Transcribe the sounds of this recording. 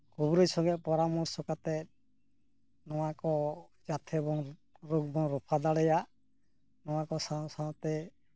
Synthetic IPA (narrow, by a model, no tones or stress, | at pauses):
kobuɾɔjsɔŋɡɛpɔɾamɔɾsɔkat̪ɛ | nɔwakɔ | d͡ʒat̪ʰɛɛbɔŋɾoɡ̚bɔŋɾɔpʰad̪aɽɛja | nɔwakɔsasãt̪ɛ